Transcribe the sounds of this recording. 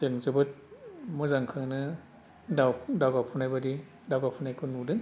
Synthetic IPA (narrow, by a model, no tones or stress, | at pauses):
zɯŋzɯbɯt̚mɯzaŋkʰɯnɯ | dawdawɡapʰunajbadi | dawɡapʰunajkʰɯnudɯŋ